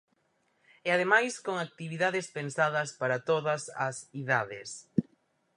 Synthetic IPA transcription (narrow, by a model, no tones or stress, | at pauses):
eað̞emajskoŋak̚t̪iβiðaðɪspensaðɐspaɾɐt̪oðɐsɐsiðaðɪs